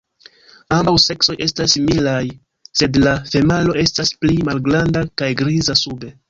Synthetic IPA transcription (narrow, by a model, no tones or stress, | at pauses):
ambawse̞kso̞jʔe̞stasimilaj | se̞dlafe̞malo̞e̞stasplimalɡɾandakajɡɾizasube̞